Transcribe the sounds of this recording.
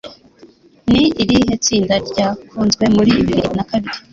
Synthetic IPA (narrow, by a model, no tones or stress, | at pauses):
niiɾiɦet͡siːndaɾɟaːfuːnzɡwe̞muɾiːβiβiɾinakaβiɾi